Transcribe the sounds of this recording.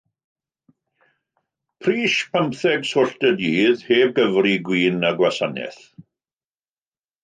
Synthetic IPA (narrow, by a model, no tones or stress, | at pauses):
pʰriːʃpʰəmpθɛɡsʊɬtədiːðheːb̚ɡəvriɡwiːnəɡwasanɛ̰θ